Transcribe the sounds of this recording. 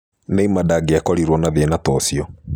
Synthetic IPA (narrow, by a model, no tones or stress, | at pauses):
neimadaɡeakɔɾiɾwɔnaðenatɔsjɔ